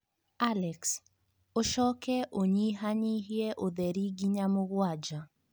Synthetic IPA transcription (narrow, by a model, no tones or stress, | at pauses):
alɛks | oʃɔkɛʔoɲiɦaɲiɦjɛʔoðɛɾiɡiɲamʊɡwad͡ʒa